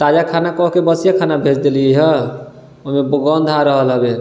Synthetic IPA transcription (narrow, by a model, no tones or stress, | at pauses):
t̪ad͡ʒakʰanakɔɦkebəsijakʰanabʱed͡ʒd̪elijəɦə | oɦmebəɡɔnd̪ʱaɾəɦəlɦəbe